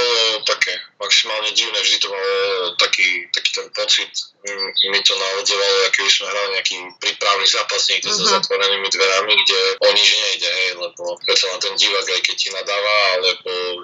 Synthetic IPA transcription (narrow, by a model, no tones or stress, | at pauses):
bɔlɔt̪akʰɛːmaksimaːlɲɛɟiːʋʊnɛːvʒd̪it̪ɔmalɔt̪akiːt̪aki̥ːt̪ɛnpɔt͡sit̪ | mit̪ɔnaʋɔd͡zɔʋalɔɛkɛbismɛɦɾaliɲɛakiːpɾiːpɾaʊnizaːpasɲiɡt̪ɔzɔzat̪ʋɔɾɛniːmid̪ʋɛɾamiɡɟɛɔɲid͡ʒɲɛjɟɛɦɛjlɛbɔpɾɛt̪sanat̪ɛnɟiʋaɡajkɛc̚cinad̪aːʋalɛbɔ